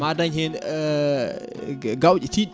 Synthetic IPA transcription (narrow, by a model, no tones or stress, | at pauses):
adaɲhɛn | ɡawt͡ʃiti